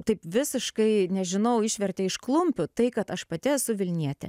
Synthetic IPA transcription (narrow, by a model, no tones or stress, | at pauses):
t̪ɐɪpʋʲɪsʲɪʃkɐɪnʲɛʒʲɪnɐʊɪʃʲʋʲɛrʲt̪ʲɛɪʃklˠʊmʲpʲʊt̪ɐɪkɐt̪ɐʃpɐt̪ʲɪɛsʊʋʲɪlʲnʲiɛt̪ʲɛ̰